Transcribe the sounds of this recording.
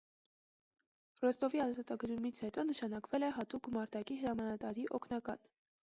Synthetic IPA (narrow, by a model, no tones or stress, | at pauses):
rɔst̪ɔviɑzɑt̪ɑɡəɾumit͡sʰhɛt̪ɔnəʃɑnɑkvɛlɛɦɑt̪ukmɑɾt̪ɑkihəɾɑmɑnɑt̪ɑɾiʔɔkʰnɑkɑn